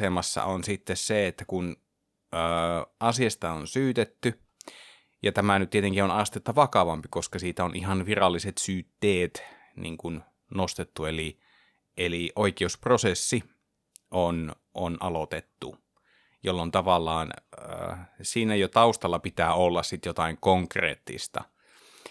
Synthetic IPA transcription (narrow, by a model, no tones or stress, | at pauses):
emɑsːɑ̰onsit̪ːesseet̪ːækun | əːʔɑsiɑst̪ɑonsyːt̪et̪ːy | jɑt̪æmænyt̪t̪iet̪eŋkionɑst̪et̪ːɑʋɑkɑʋɑmpikoskɑsiːt̪æonʔihɑnʋirɑlːiset̪syːt̪ːeːt̪ | nḭːŋkun | nost̪et̪ːueli | ʔeliʔoikeusprosesːi | ʔon | ʔonʔɑlot̪et̪ːu | jolːont̪ɑʋɑlːˑɑːnə̰ːsiːnæjot̪ɑust̪ɑlːɑpit̪æːolːɑssit̪jot̪ɑiŋkoŋkrḛːt̪ːḭst̪ɑ̰